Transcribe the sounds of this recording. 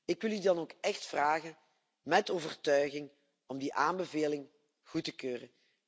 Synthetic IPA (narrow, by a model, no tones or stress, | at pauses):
ɪkʋɪlˠydɑnoːkɛxtfraːɣən | mɛtoːvərtœɥɣɪŋ | ɔmdiʔaːmbəveːlɪŋ | ɣutəkøːrən